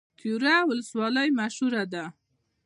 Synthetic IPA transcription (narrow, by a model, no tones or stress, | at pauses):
kuɾawʊləswɑləjmaʃhuɾad̪a